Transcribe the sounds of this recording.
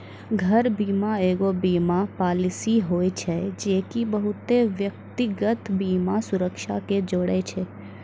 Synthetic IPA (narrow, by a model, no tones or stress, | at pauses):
ɡʱəɾbimaeːɡobimapaːlɪsiɦojt͡ʃʰed͡ʒekibəɦut̪eʋjəkt̪iɡət̪bimasʊɾəkʃaked͡ʒoɽet͡ʃʰe